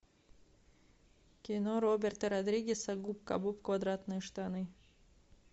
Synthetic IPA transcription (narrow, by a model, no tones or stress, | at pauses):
kʲinoɾobʲert̪ɐɾod̪ɾʲiɡʲesɐɡupka̰bupkvad̪ɾat̪nɨjʂt̪anɨ